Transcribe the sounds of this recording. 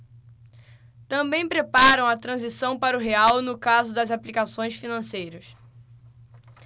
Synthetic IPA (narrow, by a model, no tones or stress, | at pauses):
t̪ɐ̃bẽj̃pɾepaɾɐ̃w̃ɐt̪ɾɐ̃zisɐ̃w̃paɾʊɦeawnʊkazʊd̪ɐzaplikasõj̃sfinɐ̃sejɾɐs